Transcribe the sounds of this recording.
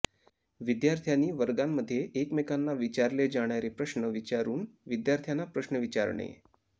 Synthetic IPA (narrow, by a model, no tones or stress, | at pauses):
ʋid̪jaɾt̪ʰjanːiːʋəɾɡamːəd̪ʱːjeʔekmekanːaʋit͡ɕaɾled͡zaɽ̃jaɾepɾəɕnəʋit͡ɕaɾuːnʋid̪jaɾt̪ʰjanːapɾəɕnəʋit͡ɕa̰ɾɳḛ